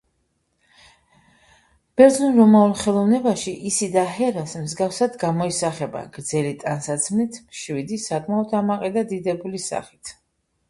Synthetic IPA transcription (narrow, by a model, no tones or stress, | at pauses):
b̥ɛɾd̪zɔnɾɔmaulˠχɛlˠɔvnɛbaʃiʔisid̪aɦɛɾasmzɡafsad̪ɡamɔisaχɛba̰ɡ̥ɾd̪zɛlit̪ʼansat̪sʰmnit̪ʰmʃwid̪isakʼmaɔd̪ʰamaqʼɛd̪ad̪id̪ɛbulisa̰χit̪ʰ